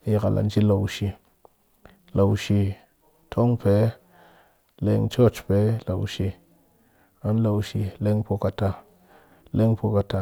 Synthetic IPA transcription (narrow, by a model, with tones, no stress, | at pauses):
ja˦ka˨la̰˨n˦t͡ʃi˦la˨wʃi˨ | la˨wʃi˧ | tʰo˦ŋpe˨˦ | le˧˦ŋt͡ʃo˦˨t͡ʃpe˨˦la̰˨wʃi˧ | a˦n˦la˨wʃi˧le˦ŋpo˧ka˧ta˧ | le˦ŋpo˧ka˧ta˧